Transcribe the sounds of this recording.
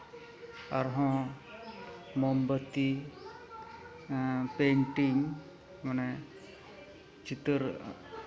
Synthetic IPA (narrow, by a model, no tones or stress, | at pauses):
aɾɦɔ̃ | mɔmbət̪i | peɳʈiŋ | manɛ | t͡ʃit̪əɾ